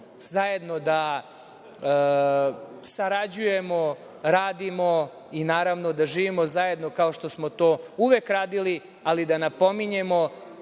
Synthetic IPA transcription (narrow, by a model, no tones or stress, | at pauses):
zaje̞d̪no̞d̪a | saɾad͡ʑuje̞mo̞ | ɾaːd̪imo̞ | inaːɾaʋno̞d̪aʒiːʋimo̞zaje̞d̪no̞kao̞ʃt̪o̞smo̞t̪oːuʋekɾaːd̪ili | alid̪anapo̞miɲe̞mo̞